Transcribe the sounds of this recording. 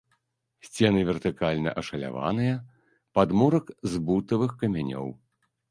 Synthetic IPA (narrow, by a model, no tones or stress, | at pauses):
sʲt͡sʲɛnɨvʲɛrt̪ɨkalʲnɐ̰ʔɐʂɐlʲa̰va̰nɨjɐ | pad̪mɔɾɐkzbut̪ɐvɨxkɐmʲanʲɔ̰w